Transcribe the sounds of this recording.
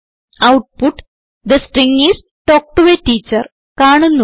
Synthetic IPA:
ɐwʈ̚puʈ | d̪ɐsʈriŋis | ʈoːk̚ʈuʋeʈiːt͡ɕːɐr | kaːɳunːu

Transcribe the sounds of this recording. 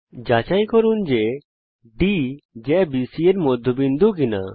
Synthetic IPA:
d͡ʒat͡ʃaj̃kɔɾund͡ʒe | ɖid͡ʒɛbisieɾmɔd̪ʱːobind̪ukina̰

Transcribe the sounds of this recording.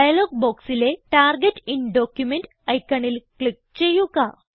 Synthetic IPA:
ajloːɡ̚boːksileʈaːɾɡeʈinɖoːkjumeɳʈ | ɐjkːɐɳilkɭik̚t͡ɕejuɡa

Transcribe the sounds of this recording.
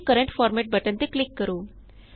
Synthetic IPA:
kəɾəɳʈfɔːɾmɛʈ̚bəʈə̃nt̪eklikːəɾuː

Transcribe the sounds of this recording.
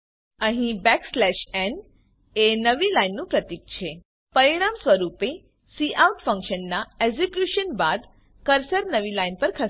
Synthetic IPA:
ə̃ɦĩbɛkslɛʃɛn | enəʋilainːũpɾət̪ik̚t͡ɕʰe | pəɾiɽ̃amsʋəɾupe | siʔawʈfə̃ŋkʃənːaeɡzekjuʃənbad̪ | kəɾsəɾnəʋilainpəɾkʰə

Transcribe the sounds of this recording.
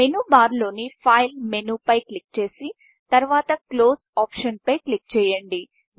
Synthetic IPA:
menuːbaːɾlo̞ːnipʰaːjlmenupɐjklik̚t͡ʃe̞ːsi | t̪ɐɾʋaːt̪ɐklo̞ːsaːpʂɐnpɐjklik̚t͡ʃɛːjɐɳɖi

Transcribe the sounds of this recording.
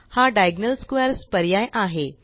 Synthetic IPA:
haɖajɡnəlskʋɛɾspəɾjajʔaɦe

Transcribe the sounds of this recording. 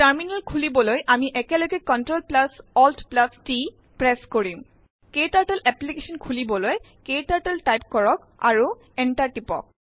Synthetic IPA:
taɹminɛlkʰulibɔlojʔamiʔɛkɛlɔɡɛkɔntɹolplasɔltʰplasti | pɹɛskoɹi | ketaɹʈɛlʔɛplikesɔnkʰulibɔloj | ketaɹʈɛlʈajp̚kɔɹɔk | a̰ɹu | ɛnʈaɹʈipɔ̰k̚

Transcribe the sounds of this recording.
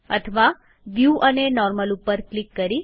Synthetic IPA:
ə̰t̪ʰəʋa | ʋjuʔənenɔɾməlupəɾklikːəɾi

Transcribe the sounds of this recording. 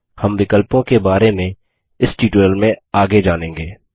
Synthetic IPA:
hɐmʋɪkəlpõkebaːɾemẽ | ɪsʈiːʈoəlmẽaːɡed͡ʒaːnẽːŋɡeː

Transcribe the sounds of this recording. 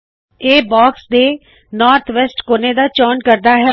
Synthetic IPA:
eːbɔːksd̪eː | nɔːɾt̪ʰʋɛːsʈkoːned̪aːt͡ʃɔːnkəɾd̪aːɦɛ

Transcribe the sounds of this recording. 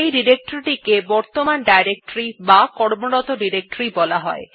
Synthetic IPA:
ejɖiɾek̚ʈoɾiʈikebɔɾt̪omanɖajɾek̚ʈoɾibakɔɾmoɾɔt̪oɖiɾek̚ʈoɾibɔlaɦɔ̰e

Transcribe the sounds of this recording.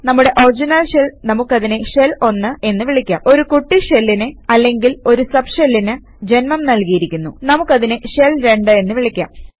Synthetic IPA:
nɐmːuɽe̞ʔorid͡ʑinɐlɕelnɐmukːɐðineʂe̞lo̞nːɨe̞nːɨʋiɭikʲːa̰ːmo̞ɾukuʈːiʂelːinɨɐlːe̞ŋɡilo̞ɾusɐbʂelːinɨ | d͡ʑe̞nmɐmnɐlkijiɾikʲːunːunɐmukːɐðineʂelɾe̞ɳɖɨe̞nːɨʋiɭikʲːa̰ːm

